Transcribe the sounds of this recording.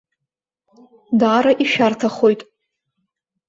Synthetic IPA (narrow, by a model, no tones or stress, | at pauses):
daːɾaʔiʃᶣartʰaχo̞jtʼ